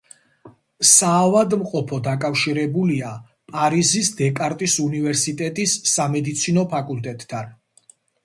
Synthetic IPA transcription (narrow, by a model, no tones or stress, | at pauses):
saːvad̪mqʼɔpʰɔd̪akʼafʃiɾɛbulia | pʼaɾizisd̪ɛkʼaɾt̪ʼisunivɛɾsit̪ʼɛt̪ʼisːamɛd̪it̪sʰinɔpʰakʼult̪ʼɛt̪ʼːʰan